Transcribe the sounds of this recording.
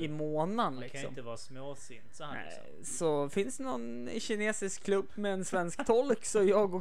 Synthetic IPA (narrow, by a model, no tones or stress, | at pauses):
ɪmoːnanlɪksɔ̰mmt̪əvɑːsmoːsin̰ | sɔfɪnsd̪ɛnɔn | ɕɪneːsɪskʰːlɵbːmɛːnsvɛnskt̪ʰɔlksɔjɑːɡɔ